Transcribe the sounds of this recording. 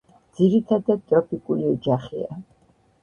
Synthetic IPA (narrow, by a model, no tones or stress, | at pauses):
d̪z̥iɾit̪ʰad̪ad̪̚t̪ʼɾɔpʼikʼuliɔd͡ʒaχḭa̰